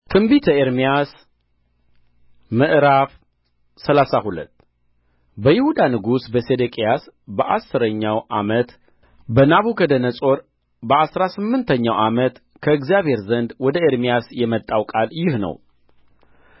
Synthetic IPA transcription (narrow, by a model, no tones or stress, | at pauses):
t̪ʰɨmbit̪ʰəeɾmijas | mɨʔɾaf | səlasahulə̰t̪ː | bəjɪhud̪anɨɡusbəsed̪ekʼijasbəʔasːɨɾəɲːawʔa̰mət̪ | bənaβukʰəd̪ənəsʼo̞ɾ | bəasɾasɨmːɨnt̪ʰəɲːawʔamət̪ | kʰəɨɡzijaβhe̞ɾzənd̪wɔd̪əeɾmijasjɛmət̪ʼːawkʼaljɪhnə̰w